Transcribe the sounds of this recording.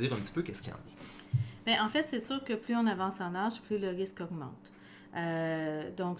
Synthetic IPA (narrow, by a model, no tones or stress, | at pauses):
iːʁɛ̃pt̪i̥pøkʲɛskʲiɑ̰̃ːnɛbɛʔɑ̃fɛt̪sɛsyːʁkəplyɔ̃navɑ̃sɑ̃naʒplyləʁɪskɔɡmɑ̰̃t̪ | ød̪ɔ̃k